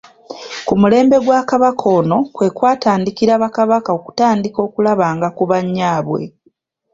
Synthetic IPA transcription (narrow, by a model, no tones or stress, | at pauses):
kumule̞ːmbe̞ɡwakaβakʰo̞ːno̞kwe̞ːkwaːtaːndikiɾaβakaβakao̞ku̥taːndiko̞ːkulaβaːŋɡakuβaɲːaːβwe̞̰